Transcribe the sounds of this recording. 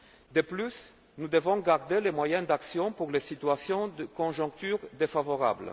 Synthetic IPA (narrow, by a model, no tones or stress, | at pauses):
d̪əplys | nud̪əvɔ̃ɡaʁd̪elemwajɛ̃d̪aksjɔ̃puʁlesit̪yasjɔ̃d̪əkɔ̃ʒɔ̃ŋk̚t̪yːʁd̪efavɔʁa̰bl